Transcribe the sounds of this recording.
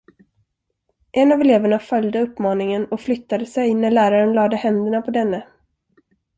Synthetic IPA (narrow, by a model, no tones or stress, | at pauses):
ʔɛnavɛleːvæɳafœljd̪əɵpːmɑːnɪŋənɔkflʏt̪ːad̪əsɛjnæɭæːɾaɾənlɑːd̪əhɛnd̪əɳapʰɔd̪ɛnːə